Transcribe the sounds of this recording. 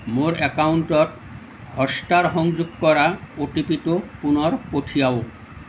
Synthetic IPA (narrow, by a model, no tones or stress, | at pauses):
moɾɛkawunʈɔt | hɔsʈaɾɦɔŋd͡ʑuɡkɔɾaoʈipitopunɔɾpoʈʰijao